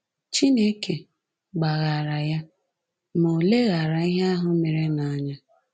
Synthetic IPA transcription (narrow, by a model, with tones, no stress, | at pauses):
t͡ʃi˦ne˦ke˨ | ɡ͡ba˨ɣa˨ɾa˨ja˦ | mo˨le˦ɣa˨ɾa˨i˦ɦe˦a˦ɦʊ˦me˨ɾe˦na˨a˨ɲa˦